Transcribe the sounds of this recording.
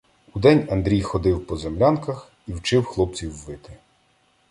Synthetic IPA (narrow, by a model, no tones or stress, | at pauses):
ud̪ɛnʲɐnd̪ɾʲijxɔd̪ɪwpɔzemlʲankɐx | iwt͡ʃɪwxlˠɔp̚t͡sʲiwːɪt̪ɪ